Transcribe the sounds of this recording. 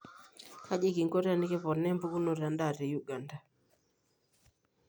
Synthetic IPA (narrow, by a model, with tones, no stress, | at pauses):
kʰa˦d͡ʒe˦ki˨ŋɡo˦ɾa˦˨ni˦kɛ˦pɔ˨nɛ˦mbu˦ku˦no˨ɾa˨nda˦˨ɾɛ˨ju˦ɡa˨nda˨